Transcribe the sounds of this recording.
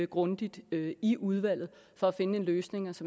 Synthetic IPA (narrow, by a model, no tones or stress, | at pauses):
ɡ̥ʁɔ̽nd̥id̥iʔuð̞ˠʋæl̰ð̞̩ˠ | fɒ̽æfe̝nəe̝nløːsne̝ŋɐsɒ̽m